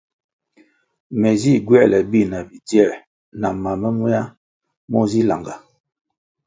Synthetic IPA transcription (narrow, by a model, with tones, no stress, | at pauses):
mɛ˨zi˦˨ɡwɛ˦˨lɛ˨bi˦˨na˨bi˨tjɛ˦˨ʔ | na˨ma˨mə˦mu˦a˦ | mɔ˦zi˦la̰˨ŋɡa˨